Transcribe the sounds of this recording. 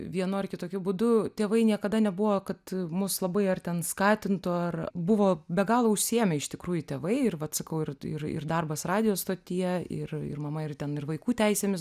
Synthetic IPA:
ʋʲiɛnoɐɪrkʲɪt̪oːkʲʊbʊd̪ʊt̪ʲeːʋɐɪnʲiɛkɐd̪ɐnʲɛbʊʋoːkɐt̪mʊslˠɐbɐɪɐrt̪ʲɛnskɑːt̪ʲɪnt̪oːɐrbʊʋoːbʲɛɡɑːlˠoːʊʃʲsʲiɛmʲɛɪʃt̪ʲɪkɾuːjʊt̪ʲeːʋɐɪɪrʋɐt̪sɐkɐʊɪrɪ̰rɪ̰rd̪ɐrbɐsrɑːd̪ʲɪjoːst̪oːt̪ʲɪjɛɪ̰rɪ̰rmɐmɐɪrtʲɛnɪrʋɐɪkuːt̪ʲɛɪsʲeːmʲɪs

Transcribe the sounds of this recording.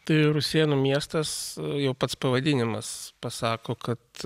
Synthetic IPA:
t̪ɐɪɾʊsʲiɛnumʲiɛst̪ɐsjɛʊpɐt̪spɐʋɐd̪ʲɪnʲɪmɐspɐsɑːkoːkɐt̪

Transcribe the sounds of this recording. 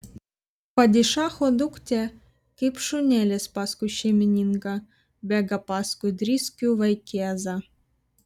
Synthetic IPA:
pɑdʲiʂɑxod̪uktʲe | kʲepʂunʲelʲesʲpɑskuɕemʲinʲinɡɑ | bʲæɡɑpɑskud̪ʲrʲiskʲuʋajkʲeɑzɑ

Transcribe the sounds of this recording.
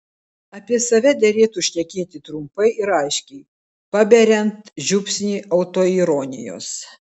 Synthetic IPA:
ɐpʲiɛsɐʋʲɛd̪ʲɛɾʲeːt̪uːʃʲnʲɛkʲeːt̪ʲɪt̪ɾʊmpɐɪʔɪɾɐɪʃʲkʲɛɪ | pɑbʲɛɾʲɛnt̪ʒʲʊpʲsʲnʲiːʔɐʊt̪oːiɾoːnʲɪjo̰ːs

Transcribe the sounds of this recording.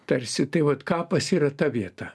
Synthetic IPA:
t̪ɐɾʲsʲɪt̪ɐɪʋɐt̪kɑːpɐsiːɾɐt̪ɐʋʲiɛt̪ɐ

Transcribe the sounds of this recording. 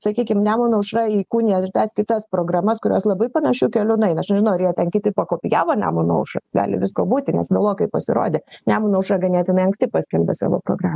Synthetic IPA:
sɐkʲiːkʲɪmnʲæːmʊnɐʊʃrɐiːkuːnʲiɛɪt̪ɐskʲɪt̪ɐspɾoːɡrɐmɐskʊɾʲoːslˠɐbɐɪpɐnɐʃʲukʲɛlʲʊnɐɪnɐʃnʲɛʒʲɪnɐʊɐɾjɛtʲɛnkʲɪt̪ʲɪpɐkoːpʲɪjæːʋoːnʲæ̰ːmʊnɐ̰ʊʃɐ̰ɡɑ̰ːlʲɪ̰ʋʲɪskoːbuːt̪ʲɪnʲɛ̰sbʲɛlˠoːkɐɪpɐsʲɪɾo̰ːd̪ʲeːnʲæːmʊnɐʊʃɾɐɡɐnʲiɛt̪jɪnɐɪɐŋksʲt̪ʲɪpɑːsʲkʲɛlʲbʲɛ̰sɑ̰ːʋo̰ːpɾo̰ːɡɾɑːmɐ

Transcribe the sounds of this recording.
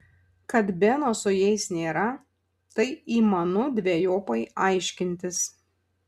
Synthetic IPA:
kɐt̪bʲɛnoːsʊjɛɪsnʲeːɾɐ | t̪ɐɪiːmɐnʊd̪ʲʋʲejoːpɐɪɐɪʃʲkʲɪnʲt̪ʲɪs

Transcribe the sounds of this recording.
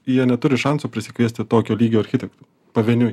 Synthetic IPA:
jiɛnʲɛt̪ʊɾʲɪʃɑnsuːpʲɾʲɪsʲɪkʲʋʲiɛsʲt̪ʲɪt̪oːkʲoːlʲiːɡʲoːɐɾʲxʲɪt̪ʲɛkt̪uː | pɐʋʲɛːnʲʊ

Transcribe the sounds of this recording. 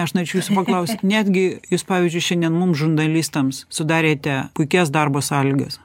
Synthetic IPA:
ɐʃnoɾʲeːt͡ʃʲʊjuːsʊpɐklˠɐʊsʲt̪ʲt̪nʲæːd̪ʲɡʲɪjuːspɑːʋʲiːzʲd͡ʒʲʊɪʃʲɛnd̪ʲɛnmʊmsʒʊnd̪ɐlʲist̪ɐmssʊd̪ɑːɾʲeːt̪ʲɛkʊɪkʲɛsd̪ɑrboːsɑːlʲɪɡɐ̰s

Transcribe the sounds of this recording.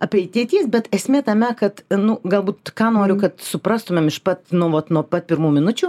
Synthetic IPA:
ɐpʲeɛɪt̪ʲeːt̪ʲiːsbʲɛt̪ɛsʲmʲeːt̪ɐmʲɛkɐt̪nʊɡɐlˠbuːt̪kɑːnoːɾʲʊkɐt̪sʊpɾɑːst̪ʊmʲemɪʃpɐt̪nʊʋɐt̪nuɔpɐt̪̚pʲɪɾmuːmʲɪnʊt͡ʃʲuː

